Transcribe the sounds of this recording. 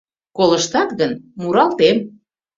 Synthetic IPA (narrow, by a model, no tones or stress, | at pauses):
koləʃt̪ɑt̪ɣənmuɾɑlt̪em